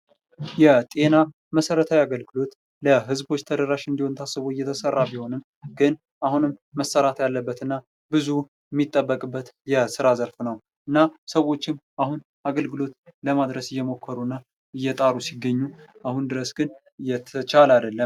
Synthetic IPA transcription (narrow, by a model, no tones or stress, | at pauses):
jɛt̪ʼe̞na | məsəɾət̪ʰawiaɡəlɡɨlo̞t̪ | ləɦɨzbo̞t͡ʃːt̪ʰəd̪əɾaʃɨnd̪iho̞nt̪ʰasɨβojːɛt̪ʰəsərːabiho̞nɨm | ɡɨn | ʔahunɨmːəsəɾat̪ʰjalːəbːət̪ɨnːa | bɨzu | mːit̪ʼːəbːəkʼɨbːət̪jɛsɨɾazəɾfnəw | ɨnːasəwo̞t͡ʃːɪmʔahun | aɡəlɡɨlo̞t̪ləmad̪ɾəsɨjːɛmo̞kʰːəɾuɨnːa | ɨjːɛt̪ʼaɾusiɡːəɲːuʔahund̪ɨɾəsɡ̥ɨn | jɛt̪ʰət͡ʃalad̪əlːəm